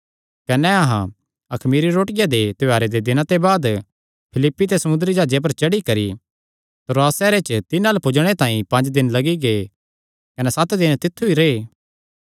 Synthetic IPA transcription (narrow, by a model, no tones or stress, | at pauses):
kɐnɛɐɦã | ɐkʰmiːɾiɾoːʈɪjad̪et̪ɪaːɾed̪ed̪ɪnãt̪ebaːd̪ | pʰɪlɪpːit̪̬esɐmʊ̃nd̪əɾid͡ʒaːd͡ʒep̬ɐɾt͡ʃɐɽikɐɾḭ | t̪ɾoaːsɛːɾet͡ʃət̪ɪnaːlpʊd͡ʒɽ̃et̪ãːĩpɐ̃ɲd͡ʒd̪ɪnlɐɡiɡeː | kɐnɛsɐt̪d̪ɪnt̪ɪt̪ʰːuiɾeː